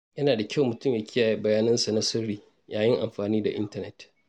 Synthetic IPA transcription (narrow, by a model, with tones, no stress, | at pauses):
jɐ˦naː˨da˨kʲʰa˦˨wmʊ˨tʊ˦˨mja˦kʲɪ˦jaː˨ji˦bɐ˨jaː˦nɐ˦nsa˨nɐ˦sʊ˦ɽiː˦ | jaː˨jɪ˦ŋʔa̰˨mɸaː˨niː˦da˨ʔɪ̰˦ntɐ˦nɛ˨t